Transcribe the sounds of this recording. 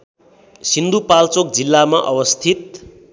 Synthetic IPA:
sind̪ʱupalt͡sok̚d͡zilːamaʔʌwʌst̪ʰit̪̚

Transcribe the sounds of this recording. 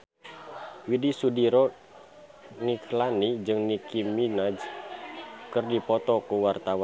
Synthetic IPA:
widisudiɾɔ | niklanid͡ʒɨŋnikiminad͡ʒ | kɨrdipɔt̪ɔkuwart̪awan

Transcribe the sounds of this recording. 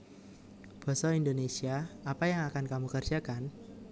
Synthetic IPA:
b̥ɔ̤sɔindonesiaapajaŋakankamukərd͡ʒakan

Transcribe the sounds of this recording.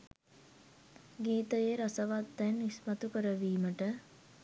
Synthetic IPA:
ɡiːt̪əjeɾasəʋat̪d̪ɛnːismat̪ukəɾəʋiːməʈə

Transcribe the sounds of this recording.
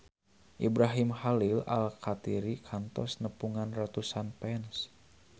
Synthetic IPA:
ʔibɾaɦimhalila̰lkʰat̪iɾikʰant̪ɔsnəpuŋanrat̪usanpɛns

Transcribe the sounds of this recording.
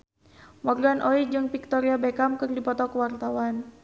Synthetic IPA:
mɔrɡanʔoid͡ʒɨŋpik̚t̪ɔɾiabɛkamkɨrdipɔt̪ɔkəwart̪awan

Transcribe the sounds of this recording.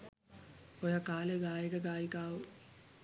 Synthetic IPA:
ojakaːleɡaːjikəɡaːjikaːʋu

